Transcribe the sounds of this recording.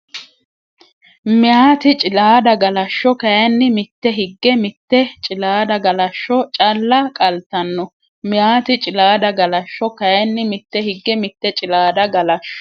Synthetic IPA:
mɪjaːt̪ɪt͡ʃʼɪlaːd̪ɐɡɐlɐʃːɔkɐjɐnːɪmɪt̪ːɛɦɪɡːɛmɪt̪ːɛt͡ʃʼɪlaːd̪ɐɡɐlɐʃːɔt͡ʃʼɐlːɐkʼɐlt̪ːɐnːɔ | mɪjaːt̪ɪt͡ʃʼɪlaːd̪ɐɡɐlɐʃːɔkɐjɐnːɪmɪt̪ːɛhɪɡːɛmɪt̪ːɛt͡ʃʼɪlaːd̪ɐɡɐlɐʃːɔ̥

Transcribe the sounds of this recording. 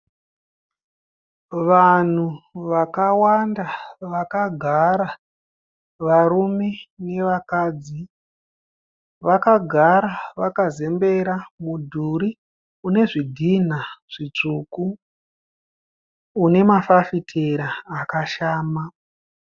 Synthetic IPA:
ʋan̤uʋakawandaʋakaɡʱaɾa | ʋaɾume̞ne̞ʋakaːd͡zi | ʋakaɡʱaɾaʋakaze̞mbe̞ɾamudʱuɾi | une̞ʐidʱin̤aʐ̥it͡ʂuku | ne̞mafafitʰeɾaːkaʃaːma

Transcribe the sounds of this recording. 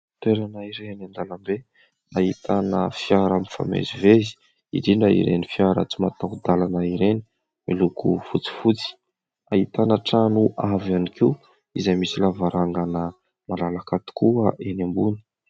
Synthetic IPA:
t̪weɾanaiɾenand̪alambe | aɦit̪anəfiaɾamifa̰mḛzivezi̥ | ḭd̪iɳɖ͡ʐaḭɾḛnifiaɾə̰t͡simat̪aud̪alanaiɾeni̥ | milukufut͡si̥fut͡si̥ | aɦit̪anaʈ͡ʂanuʔavanikiu | izajmisilavaɾʔaŋɡanə | malalakat̪i̥kuəʔenembuni̥

